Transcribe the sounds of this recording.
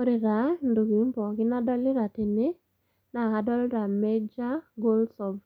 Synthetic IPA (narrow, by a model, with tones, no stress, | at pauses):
o˦ɾɪ˨ɾa˨˦ndu˨ki˨˦mbɔ˨kɪ˦na˦dɔ˦lɪ˦ɾa˨te˨ne˦ | na˨ka˨dɔ˦lɾa˨mɛ˦d͡ʒa˦ɡo˦lsɔ˨b